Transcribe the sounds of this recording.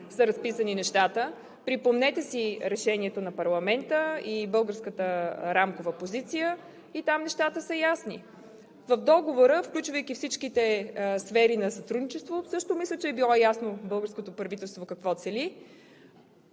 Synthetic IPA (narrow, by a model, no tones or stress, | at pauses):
səɾɐspisəninɛʃt̪at̪ə | pɾipomnɛt̪ɛsiɾɛʃɛniɛt̪onɐpɐɾlˠɐmɛnt̪əibɤlˠɡəɾskət̪əɾamkovəpozit̪sijə | it̪amnɛʃt̪at̪əsəjasnḭ | vəvd̪ɔɡovoɾəfklʲut͡ʃvəjk̟ifsit͡ʃkit̪ɛsfɛɾinɐsɐt̪ɾud̪nit͡ʃɛst̪vosɤʃt̪omislʲət͡ʃɛːbilˠɔjasnobɤlˠɡəɾskot̪opɾɐvit̪ɛlˠst̪vokɐkvɔt̪sɛli